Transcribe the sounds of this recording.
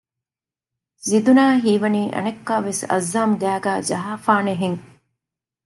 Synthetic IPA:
zid̪unaːɦiːʋɐniːʔɐ̰nekːaʋesɐ̰zːaːmɡ̪æːɡæːd͡ʒɐɦaːfaːneɦeŋ

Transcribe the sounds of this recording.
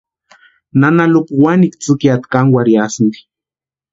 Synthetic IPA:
nanalupwanikt͡sɨkiat̪kanwaɾjasnd̪i̥

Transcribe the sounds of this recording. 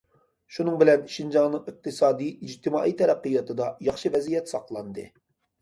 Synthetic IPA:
ʃunɨŋbɪlɛnʃind͡ʒɑŋnɨŋɨq̚t̪ʰɨsɑːd̪iid͡ʒt̪ʰɨmɑːʔit̪ʰɛɾæqːɨjɑt̪ʰɨd̪ɑjɑχʃɨvɛzijɛt̪sɑqlˠɑnd̪ɨ̰

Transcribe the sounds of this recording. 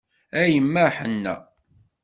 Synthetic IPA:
æjəmːæħənːæ̰

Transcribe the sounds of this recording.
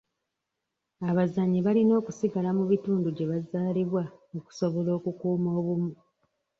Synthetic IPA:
aβazaɲiβalino̞ːkusiɡalamuβituːnduɟe̞βazaːliβwaoku̥so̞βo̞lo̞ːkukuːmo̞ːβumu

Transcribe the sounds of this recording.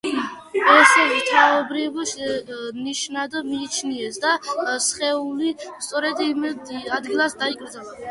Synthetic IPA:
ɛsɛvt̪ʰaɔbɾivʃniʃnad̪miːt͡ʃʰniɛsd̪asχɛulist̪sʼɔɾɛd̪imɛd̪ad̪ɡilˠasd̪aikʼɾd̪zɛlˠa

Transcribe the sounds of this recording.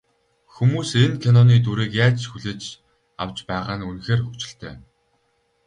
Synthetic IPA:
xumuːsenkʰanɔniːt̪̬uɾiːkjaːt͡ɕxuɮeːt͡ɕ | a̰wt͡ɕpæːʁaːnunxeːrxɵt͡ɕɪ̆ɬt̪ʰḛː

